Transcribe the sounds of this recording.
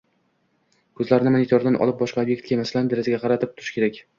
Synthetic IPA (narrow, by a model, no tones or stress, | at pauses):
kʰɵzlaɾɪnɪmonit̪ʰoɾd̪anʔɒ̰lˠɪp̚bɒʃqɑobje̞k̚ʲt̪̚kʲamasland̪eɾɪzaɡʲaqʰɑɾat̪ʰɪp̚t̪ʰʊɾɪʃkʲeɾakʲ